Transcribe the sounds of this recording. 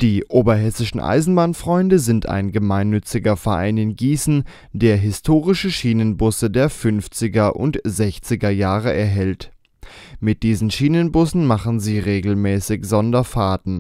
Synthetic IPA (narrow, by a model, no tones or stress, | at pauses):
d̥iːʔoːbɐɦɛsɪʃn̩ʔa̰ɪzn̩baːnfʁ̥ɔʏndəzɪntʰa̰ɪnɡəmaɪnːʏt͡sɪɡɐfɛɐʔa̰ɪnɪnɡiːsn̩ | d̥eːɐɦɪstʰoːʁɪʃəʃiːnənbʊsədeːɐfʏnft͡sɪɡɐʔʊ̰ntz̥ɛçt͡sɪɡɐjaːʁəʔɛɐɦɛlt | mɪt̚d̥iːzn̩ʃiːnənbʊsn̩maχn̩ziːʁeːɡl̩mɛːsɪçz̥ɔndɐfaːtn̩